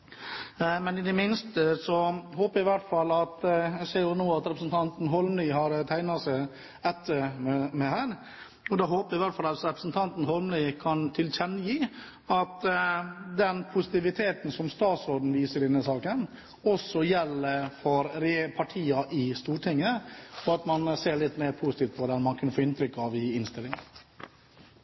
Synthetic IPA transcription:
mɛnɪd̪ɛmɪnst̪əsɔɦoːpəɾjæɪʋæʈfɑlːɑt̪æseːɾjʊnuːɑt̪ɾɛpɾəsn̩t̪ʰɑnt̪n̩ɦɔlmnyːɦɑɾt̪ʰæɪnɑsæɪ | ɛt̪ʰːəɾɛmɛhæːɾ | ɔd̪ɑːɦoːpəɾæɪʋæʈfɑlɑt̪ɾɛpɾəsn̩t̪ʰɑnt̪n̩hɔlmnikʰɑnt̪ʰɪlçɛnːəjiː | ɑt̪ | d̪ɛnpʰʊsɪt̪ɪʋɪt̪ʰeːt̪n̩sɔmst̪ɑːt̪sɾoːd̪n̩ʋiːsəɖ̪ɛnːəsɑːkən | ɔsːɔjɛlːəɾfɔɾɾpʰɑʈʰiːɑʔɪst̪uːʈʰɪŋːəɔɑt̪mɑnseːɾɭɪt̪ːmeːɾpʰuːsɪt̪iːft̪̚pʰɔd̪ɛnmɑnkʰʉnfoːɪnt̪ʰɾʏkːɑʋɪɪnst̪ɪlːɪŋ

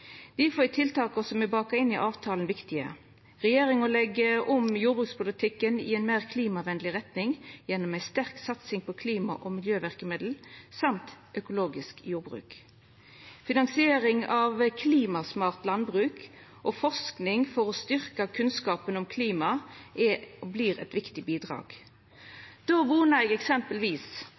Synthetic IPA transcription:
d̪̥ifoːɪt̪ʰɪlt̪ʰɑːkɔsɔmɛbɑːkɑɪnːɪʔɑːʋt̪ʰɑːlnʋɪkt̪ɪə̰ | ʁɛjeːʁɪŋɔlɛɡːəʔɔmjuːɾbʁʉːkspʊlɪt̪ʰɪkːənɪ̰ɛɪnmeːʁkʰliːmɑʋɛnlɪʁɛt̪nɪŋjɛnːɔmæɪst̪æʁksɑt̪sɪŋpʰɔkʰliːmɑ̰ʔɔmɪljøːʋæʁkəmɪd̪l̩sɑmt̪ʔœkʊloːɡɪskjuːɾbʁʉ̰ːk | fɪnɑnsɪeːɾɪŋɑʋkʰliːmɑsmɑːʁt̪lɑnbʁʉːk | ʔɔfɔʁsknɪŋfɔʁɔst̪ʏʁkɑkʰʉnskɑːpənɔmkʰliːmɑʔɛbliːʁɛ̰t̪ʋɪkt̪ɪbiːd̪ʁɑ̰ːɡ̥ | d̪̥oːʋuːnəʁɛɡɛksɛmpəlʋiːs

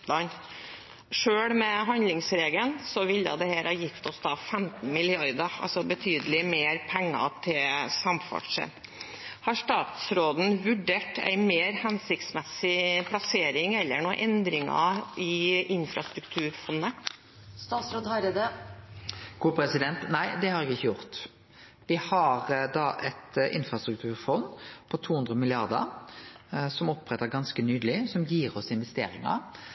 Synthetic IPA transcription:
ɑn | ʂøːɽmɛɦɑnlɪŋsɾeːɡənsɔʋɪlːə̰d̪ɛhæːɾhɑːjɪft̪ɔsd̪ɑːfɛmt̪n̩mɪlɪɑɾd̪ɑɑ̰lsɔbət̪ʰyːd̪əlɪmeːɾpʰɛŋːɑ̰t̪ʰɪlsɑmfɔ̰ʈʂə̰n | hɑʂt̪ɑːt̪sɾoːd̪n̩ʋʉɖeːʈʰæ̰ɪmeːɾhɛnsɪkt̪smɛsɪpʰlɑseːɾɪŋɛlːəɳoːʔɛnd̪ɾɪŋɑ̰ɪʔɪnfɾɑst̪ɾʉkt̪ʰʉːɾfɔnːə | st̪ɑːt̪sɾoːd̪hɑɾed̪ə | ɡ̥uːpʰɾɛsɪd̪ɛnt̪næɪd̪ɛhɑɾɛkɪçːəjʊʁt̪ | ʋɪhɑɾd̪ɑʔɛt̪ʔɪnfɾɑst̪ɾʉk̚t̪ʰʉːɾfɔnːpʰɔt̪ʰuːhʉnd̪ɾəmɪlɪɑʁd̪ə̰ɾ | sɔmɔpːʁɛt̪əɾɡɑnskənyːd̪əlɪsɔmjiːʁɔsɪnʋɛst̪eːɾɪŋɑ̰

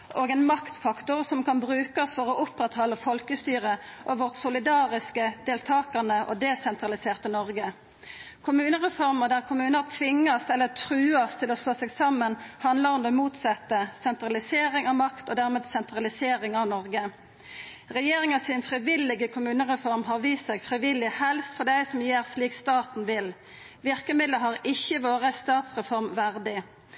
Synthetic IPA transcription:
ʔoːɡɛnmɑkt̪fɑkt̪ʊʁsɔmkɑnbʁʉːkɑsfɔʁɔʔʊpʁɛt̪hɔlːəfɔlkəst̪yːʁəʔoʋɔʁt̪sʊlɪd̪ɑːʁɪskəd̪eːlt̪ʰɑːkɑnəʔo̰d̪ɛsɛnt̪ʁɑlɪseːʁt̪ənɔʁɡə | kʰʊmʉːnəʁɛfɔʁməd̪æʁkʰʊmʉːnət̪ʰʋɪŋːɑsɛlːət̪ʰɾʉːɑst̪ʰɪlɔsloːsɛɡsɑmːənhɑnləʁɔmd̪ɛːmuːt̪sɑt̪ːəsɛnt̪ɾɑlɪseːɾɪŋɑʋmɑkt̪ɔd̪æʁmeːd̪sɛnt̪ɾɑlɪseːɾɪŋɑʋnɔʁɡə | ʁɛjeːʁɪŋɑsɪnfʁɪʋɪlːɪɡəkʰʊmʉːnəʁɛfɔʁmɦɑʁʋiːsɛɡfʁɪʋɪlɪhɛlst̪fɔʁd̪æɪsɔmjeːʁsliːkst̪ɑːt̪n̩ʋɪl | ʋɪʁkəmɪd̪ləɦɑʁɪçːəʋoːʁəst̪ɑːt̪sʁɛfɔʁmʋæʁd̪ɪ

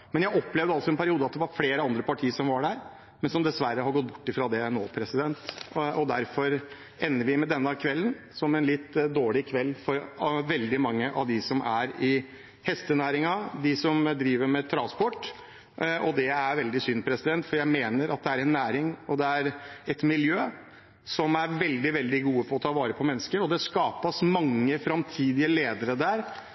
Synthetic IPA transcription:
mɛnjæɪɔpːlɛʋd̪əɑlsɔɛnpʰæɾɪuːd̪əɑt̪̚d̪ɛʋɑɾfleːɾəɑnd̪ɾəpɑʈʰiːəsɔmʋɑɖæɾ | mɛnsɔmd̪ɛsʋæɾəhɑɾɡɔt̪̚ːbʊ̥ʈːɪfɾɑd̪ɛnoːpʰɾɛsɪd̪ɛnt̪ɔd̪æɾfɔɾ | ɛnːəɾʋɪmɛd̪ɛnːəkʰʋɛlːən | sɔmɛnlɪt̪ːd̪oːɭɪkʰʋɛlːfɔɾʋɛld̪ɪmɑŋːəʔɑ̰ʋd̪ɪsɔmʔæɾɪ | hɛst̪ənæːɾɪŋɑd̪ɪsɔmd̪ɾiːʋəɾmɛt̪ʰɾɑnspɔʈː | ʔɔd̪ɛæɾʋɛld̪ɪsʏnːpʰɾɛsɪd̪ɛnt̪fɔɾjæɪmeːnəɾɑt̪̚d̪ɛæɾɛnːæːɾɪŋɔd̪ɛæɾɛt̪mɪljøː | sɔmæɾʋɛld̪ɪʋɛld̪ɪɡuːəpʰɔɔt̪ʰɑːʋɑːɾəpʰɔmɛnːəskəɾɔd̪ɛskɑːpɑsmɑŋːəfɾɑmt̪ʰiːd̪ɪəleːd̪əɾəd̪æɾ

